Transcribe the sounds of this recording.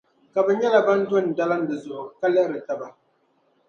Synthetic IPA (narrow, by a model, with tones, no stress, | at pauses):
ka˨bɛ˨ɲɛ˦la˨ba˦n˦dʊ˦˨n˨da˦la˦n˦dɨ˨zʊ˨ʔʊ˨ka˦lɛ˦ʔɾɨ˨ta˨ba˨